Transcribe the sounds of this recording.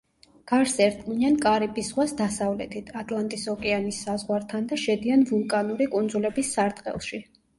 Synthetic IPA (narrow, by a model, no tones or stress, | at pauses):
ɡ̥aɾsɛɾt̪ʼqʼniankʼaɾibʼisʁwasd̪asavlɛt̪ʰit̪ʰat̪ʼlˠant̪ʼisɔkʼɛanisːazʁwaɾt̪ʰand̪aʃɛd̪ianvulˠkʼanuɾikʼund̪zulɛbisːaɾt̪ʼqʼɛ̰lˠʃi